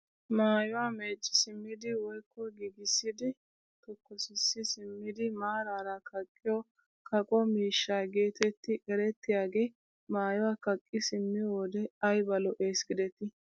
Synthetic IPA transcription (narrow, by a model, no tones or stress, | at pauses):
maːjʊwaːme̞ːt͡ʃʼːɪ̥sɪmːɪd̪ɪwɔjkːɔɡiɡɪsːɪd̪ɪ | t̪ɔkːɔsɪsːɪsɪmːɪd̪ɪmaːɾaːɾɐkʰɐkʼːɪjɔ | kʰɐkʼɔmiːʃːaɡe̞ːt̪ɛt̪ːɪʔɛɾɛt̪ːɪjaːɡe̞ː | maːjʊwaːkɐkʼːɪsɪmːɪjwɔd̪ɛɐjbɐlɔʔeːsɡɪd̪ɛt̪ɪ